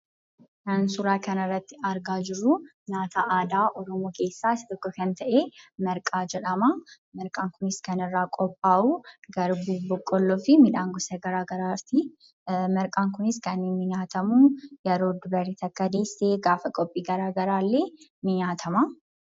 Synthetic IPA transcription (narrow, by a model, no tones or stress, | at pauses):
kɐnsʊɾaːkɐnɐrːɐt̪ːɪɐɾɡaːd͡ʒɪɾːʊɲaːt̪ʰɐʔaːd̪aːʔɔɾɔmoːke̞ːsːaːɪsɪt̪ɔkːɔkɐnt̪ɐʔeːmɐɾkʼaːd͡ʒɛᶑɐmɐ | mɐɾkʼaːŋkʊnɪskɐnɪrːaːkʼɔpʼːaːʔuɡɐɾbuːbɔkʼːɔlːɔfɪmɪᶑaːŋɡɔsɐɡɐɾaːɡɐɾaːt̪ɪ | mɐɾkʼaːŋkʊnɪskɐnːenmɪɲaːt̪ɐmujɐɾoːd̪ʊbɐrːiːt̪ɐkːɐd̪eːsːeːɡaːfɐkʼɔpʼːiːɡɐɾaːɡɐɾaːlːeːnɪɲaːt̪ʰɐmɐ